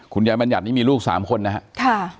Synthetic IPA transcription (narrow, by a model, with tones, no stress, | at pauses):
kʰu˧njaː˧jba˧nja˨t̪̚niː˦˥˩miː˧luː˥˩k̚sa̰ː˩˦mkʰo˧nːa˦˥ɦa˦˥ʔkʰa˥˩